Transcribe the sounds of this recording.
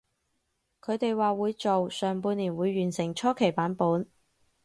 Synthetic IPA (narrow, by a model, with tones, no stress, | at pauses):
kʰɵ˨˧ɥt̪e˨jwaː˨˧wuː˨˧jt͡so˨wsœː˨˩ŋpuː˧nliː˨˩nwuː˨˧jːyː˨˩nsɪ˨˩ŋt͡ʃʰɔː˥kʰe˨˩jpaː˨˥npuː˨˥n